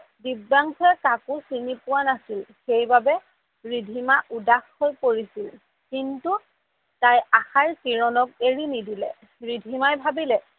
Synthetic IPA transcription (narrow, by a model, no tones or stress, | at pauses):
dibːaŋkʰɔɛkakʊsinipʊwanasilxejbabɛ | ɹidʱimaʔudaxhojpoɹisil | kintu | tajaxaɹkiɹɔnɔk̚eɹinidilɛ̰ | ɹidʱimajbʱabilɛ